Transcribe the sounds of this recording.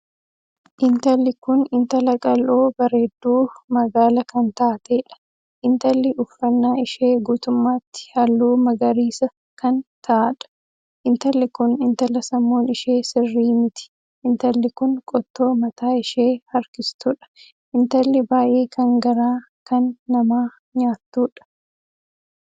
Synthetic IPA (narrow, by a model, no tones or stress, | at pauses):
ʔɪnt̪ɐlːɪkʊnɪnt̪ɐlɐkʼɐlʔoːbɐɾe̞ːd̪ːuːmɐɡaːlɐkɐnt̪aːt̪eːᶑɐ̥ | ʔɪnt̪ɐlːɪʊfːɐnːaːɪʃeːɡuːt̪ʊmːaːt̪ːɪ̥hɐlːuːmɐɡɐɾiːsɐ | kɐnt̪ʰɐʔaᶑɐ̥ | ʔɪnt̪ɐlːɪkʊnɪnt̪ɐlːɐsɐmːo̞ːnɪʃe̞ːsɪrːiːmɪt̪ɪ̥ | ɪnt̪ɐlːɪkʊnkʼɔt̪ːo̞ːmɐt̪aːɪʃeːhɐɾkɪst̪ʊᶑɐ̥ | ʔɪnt̪ɐlːɪbaːjʔe̞ːkʰɐŋɡɐɾaː | kɐnːɐmaː | ɲaːt̪ːuːᶑɐ̥